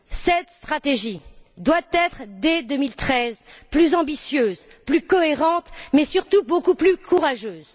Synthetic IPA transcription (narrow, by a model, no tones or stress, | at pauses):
sɛt̪st̪χat̪eʒid̪wat̪ɛt̪χd̪ed̪ømilt̪χɛzplyzɑ̃bisjøːz | plykɔeʁɑ̃t̪mɛsyʁt̪ubokuplykʰuʁaʒøːz